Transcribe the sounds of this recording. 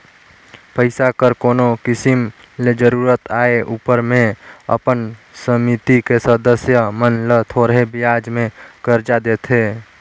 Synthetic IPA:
pəɪsakəɾkoːnokɪsɪm | led͡ʒəɾuːɾət̪aːeʔuːpəɾmẽə̰pənsəmit̪ikesəd̪əsjəmənlət̪ʰoːɾəɦebɪaːd͡ʒmẽkəɾd͡ʒad̪eːt̪ʰɦeː

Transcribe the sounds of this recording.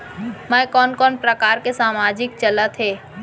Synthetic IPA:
mɛ̃kɔːnkɔːnpɾəkaːɾkesaːmaːd͡ʒɪk̚t͡ʃələt̪ɦeː

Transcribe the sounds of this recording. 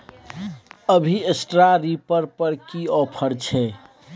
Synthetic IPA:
əbʱiesʈɾaɾipəɾpəɾkiɔpʰəɾt͡ʃʰɛ

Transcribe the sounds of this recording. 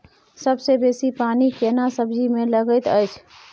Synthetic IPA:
səbsebesipanikenasəbd͡ʒimeləɡəjt̪əjt͡ʃʰ

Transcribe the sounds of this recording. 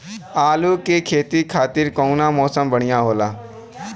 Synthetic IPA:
aːluːkekʰeːt̪ikʰaːt̪ɪɾkɔːunãːmɔːsəmbəɽ̃ɪjãːɦoːlaː

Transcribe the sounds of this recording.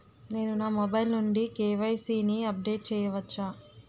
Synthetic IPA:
ne̞ːnunaːmobɐjlnuɳɖikeːʋɐjsiːniɐp̚ɖe̞ːʈ̚t͡ʃɛːjɐʋɐt͡ʃːaː

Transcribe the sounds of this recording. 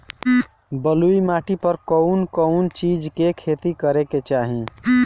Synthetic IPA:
bəluimaʈipəɾkɔʊnkəʊnt͡ʃid͡ʒkekʰet̪ikəɾeket͡ʃaɦĩ

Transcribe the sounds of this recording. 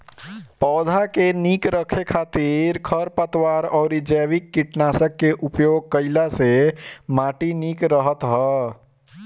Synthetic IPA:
pɔʊd̪ʱakenikɾəkʰekʰat̪iɾkʰəɾpət̪waɾɔʊɾid͡ʒəʋikːiʈnasəkːeʔupjoɡ̚kəɪlasemaʈinikɾəɦət̪ɦɔ

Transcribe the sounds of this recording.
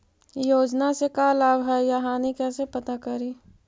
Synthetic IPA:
joːd͡ʒnasekalaːbɦɛjaɦaːnikɛːsepɐt̪akɐɾiː

